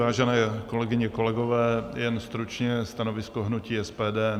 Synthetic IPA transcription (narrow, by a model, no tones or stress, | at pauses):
aːʒɛnɛːko̞lɛɡɪɲɛko̞lɛɡovɛːjɛnst̪ɾut͡ʃɲɛst̪anovɪskoɦnuciːɛspɛːdɛː